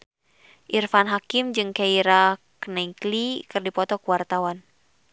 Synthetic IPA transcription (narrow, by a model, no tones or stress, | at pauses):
ʔirfanɦakimd͡ʒɨŋkaiɾaknaiklikɨrdipɔt̪ɔkuwart̪awan